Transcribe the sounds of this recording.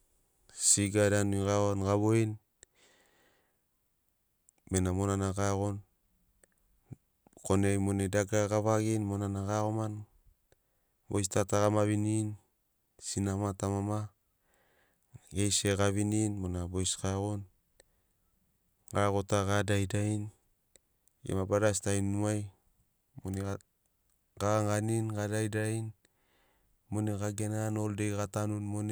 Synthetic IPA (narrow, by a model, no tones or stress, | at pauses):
siɡadanujɡaonɡaβoin | benamonanakaɣon | konemonedaɡaɡaβaɡinmonanakaɣoman | bo̰jstataɣamaβinin | sinamatamama | ɡejseɡaβininmonabojskaɣon | ɡaɡo̞taɡadajdain | jḛmabadastajnːuaj | mone | ɡaaŋɡaninɡadajdain | moneɡaɡenanoldekatanunmone